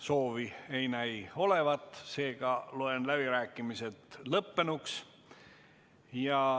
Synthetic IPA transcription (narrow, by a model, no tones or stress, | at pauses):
so̞ːvie̞jnæjo̞le̞vɑt̪ːˑse̞ːɡ̥ɑlue̞nlæb̥iɾæːkːˑimise̞t̪lɤpːe̞nuks | jɑ